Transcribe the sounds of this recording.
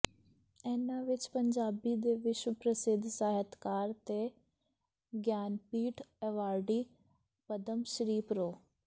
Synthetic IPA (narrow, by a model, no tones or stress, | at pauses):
ɛːnãʋɪt͡ʃpəɲd͡ʒaːbid̪eːʋɪʃwəpɾəsɪd̪ʱsaːɦət̪kaːɾt̪e | ɡjaːnpiːʈʰɛʋaːɾɖiː | pəd̪əmʃəɾiːpɾoː